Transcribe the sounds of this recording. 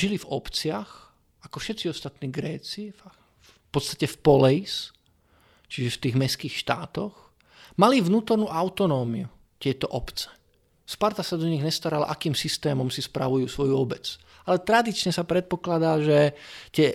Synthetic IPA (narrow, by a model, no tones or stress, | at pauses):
ʒilivɔpt͡sɪax | akɔfʃɛt̪t͡siɔst̪at̪niːɡɾɛːt͡sif | pɔt̪st̪acɛfpɔlɛis | t͡ʃiʒɛft̪iːɣmɛskiːxʃt̪a̰ːt̪ɔx | maliʋnuːt̪ɔɾnuːʔaʊt̪ɔnɔːmḭu | c̪ɪɛt̪ɔʔɔpt͡sɛ̥ | spaɾt̪asad̪ɔɲiɣɲɛst̪aɾala̰ʔakiːmsist̪ɛːmɔmsispɾa̰ʋujuːsʋɔjuɔbɛt͡s | alɛt̪ɾad̪it͡ʃɲɛsapɾɛt̪̚pɔklad̪aːʒɛt̪ɪɛ